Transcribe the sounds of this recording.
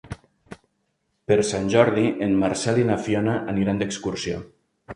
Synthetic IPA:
peɾsanʲʒɔɾðiʔenmaɾsɛlinafjɔnaʔaniɾand̪əkskuɾsio̰

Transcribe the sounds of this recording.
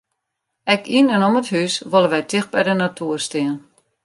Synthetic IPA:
ɛkinənoməthysʋolˠəʋɛjtɪx̚bɛjdənatʰuərstɪən

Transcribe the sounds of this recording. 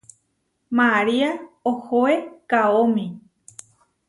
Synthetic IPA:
maɾiaohoekaomĩ

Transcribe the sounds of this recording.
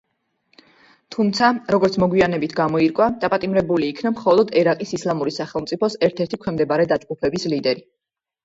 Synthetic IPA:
t̪ʰumt̪sʰaɾɔɡɔɾt̪sʰmɔɡwianɛbit̪ʰɡamɔiɾkʼwad̪̥apʼat̪ʼimɾɛbuliːkʰnamχɔlˠɔd̪ɛɾaqʼisislˠamuɾisaχɛlˠmt̪sʼipʰɔsɛɾt̪ʰɛɾt̪ʰikʰwɛmd̪ɛbaɾɛd̪at͡ʃʼɡʼupʰɛbislid̪ɛɾi

